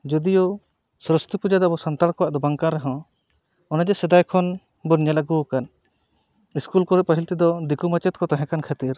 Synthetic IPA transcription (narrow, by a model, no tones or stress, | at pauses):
d͡ʒɔd̪ijɔ | sɾəst̪ipud͡ʒad̪abɔsant̪aɽkɔwaʔd̪ɔbaŋkanɾɛɦɔ̃ | ɔnad͡ʒɛsɛd̪ajkʰɔn | buɾɲalaɡukan | iskulkɔɾɛpəɦilt̪id̪ɔd̪ikumat͡ʃɛt̪̚kɔt̪aɦɛ̃kankʰat̪iɾ